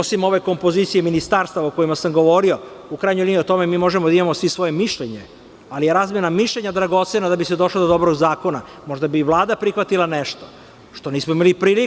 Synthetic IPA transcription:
osimo̞ʋeko̞mpo̞zit̪sijeminist̪aɾst̪aʋaoko̞imasamɡo̞ʋo̞ɾio̞ | ukɾaːjɲojliːnio̞t̪o̞memiːmo̞ʒemod̪aimamosʋisʋo̞je̞miʃʎeɲe | alije̞ɾaːzmjenamiʃʎeɲad̪ɾaɡo̞t̪senad̪abised̪o̞ʃlod̪od̪o̞bɾoɡzaːko̞na | mo̞ʒd̪abiʋlˠaːd̪apɾixʋat̪ilˠaneʃt̪o | ʃt̪o̞niːsmoimalipɾiːli

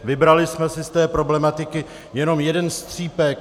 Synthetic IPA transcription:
vɪbɾalɪsmɛsɪst̪ɛːpɾo̞blɛmat̪ɪkɪ | jɛno̞mjɛdɛnst̪r̝̥iːpɛk

